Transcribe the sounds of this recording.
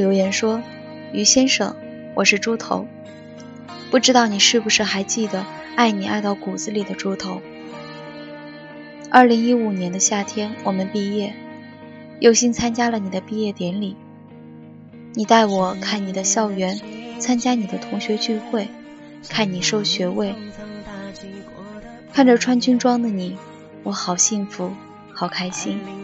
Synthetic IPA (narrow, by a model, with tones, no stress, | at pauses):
jo˧˥ʊjɛ˧˥nʂwɔ˥ | y˧˥ɕjɛ˥nʂɤ̰˨˩˦ŋ | wɔ˨˩ʂɻ̩˥˧ʈ͡ʂu˥t̪ʰo̰˧˥ʊ | pu˥˩ʈ͡ʂɻ̩˥t̪ɑ˥˩ʊni˨˩ʂɻ̩˥˩bu˩ʂɻ̩˥˩xa˧˥ɪt͡ɕi˥˩d̪ə˩ | a˥˩ɪni˨˩a˥˧ɪt̪ɑ˥˩ʊku˨˩d͡zɹ̩˧li˨˩d̪ə˦ʈ͡ʂu˥t̪ʰo˧˥ʊ | ɐ˞˥˩li˧˥ŋi˥u˨˩njɛ˧˥nd̪ə˧ɕja˥˩t̪ʰjɛ˥nwʔɔ˨˩mə˦npi˥˧jɛ˥˩ | jo˥˩ʊɕi˥nt͡sʰa˥nt͡ɕja˥lə˨ni˨˩d̪ə˦pi˥˧jɛ˥˩t̪jɛ˧˥nli˨˩˦ | ni˨˩t̪a˥˩ɪwɔ˨˩kʰa˥˩nni˨˩d̪ə˦ɕjɑ˥˩ʊɥɛ˧˥nt͡sʰa˥nt͡ɕja˥ni˨˩d̪ə˦t̪ʰʊ˧˥ŋɕɥɛ˧˥t͡ɕy˥˧xwe˥˩ɪ | kʰa˥˩nni˨˩ʂo˥˩ʊɕɥɛ˧˥we˥˩ɪ | kʰa˥˩nʈ͡ʂə˨˩ʈ͡ʂʰwa˥nt͡ɕy˥nʈ͡ʂwɑ˥ŋd̪ə˨ni˨˩˦ | wɔ˧˥xɑ˨˩ʊɕi˥˩ŋfu˧˥ | xɑ˨˩ʊkʰa˥ɪɕi˥n